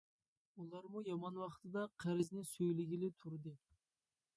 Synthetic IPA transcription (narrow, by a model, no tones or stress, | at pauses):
ulˠɑɾmujɑmɑnwɑχt̪ʰɨd̪ɑqʰæɾɪznɪsøjlɪɡʲilɪt̪ʰuɾd̪ɨ